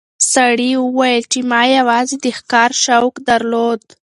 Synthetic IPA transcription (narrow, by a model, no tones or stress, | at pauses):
saɽiwəwajəlt͡ʃemɑjawɑzed̪əxkɑɾʃawkd̪aɾlod̪